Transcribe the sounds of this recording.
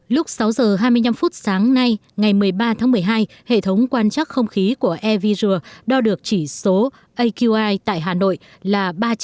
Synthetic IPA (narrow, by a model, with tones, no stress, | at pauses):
lʊ˦˥k͡p̚sa˨˦wzəː˨˩ɦaː˧jmɨ˧əjɲa˧mfu˦˥t̚saː˨˦ŋna˧jŋa˨˩jmɨ˨˩əjɓaː˧t̪ʰaː˨˦ŋmɨ˨˩əjɦaː˧j | hḛ˧˨t̪ʰə˨˦wŋ͡mkwaː˧nt͡ɕaː˦˥k̚xə˧wŋ͡mxi˨˦ku˧˩əʔɛ˧vi˧zɨ˧˩əɗɔ˧ɗɨ˨˩ək̚t͡ɕi˧˩so˨˦ | ʔə˧jku˧ʔaː˧jt̪a̰ː˧˨jɦaː˨˩no̰˧˨j | laː˨˩ɓaː˧